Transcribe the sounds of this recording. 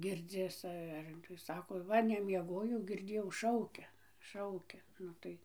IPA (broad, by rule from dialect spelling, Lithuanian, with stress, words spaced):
ˈɡʲɪrʲd͡zʲɪs ˈɐr tɐɪ ˈsɑːkoː ˈʋɐ nʲɛmʲiɛˈɡoːjɛʊ ɡʲɪrʲˈdʲeːjɛʊ ˈʃɐʊkʲɛ ˈʃɐʊkʲɛ ˈnʊ tɐɪ